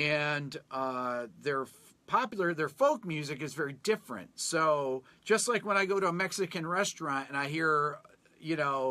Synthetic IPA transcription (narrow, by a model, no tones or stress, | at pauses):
ɨ̃nʌðə˞ | pʰɑpjl̩ˠə˞ðə˞foʊk̚mjʉzɨk̬ɨzvɛɹidɪfɹɨ̰̃ntsoʊ | d̥ʒ̥ʌstˡlaɪkwə̃ñaɪɡoʊɾəəmɛksɨkɨ̃nɹɛstɹ̥ɑ̃ntɨ̃naɪɦiɹ | jɨnoʊ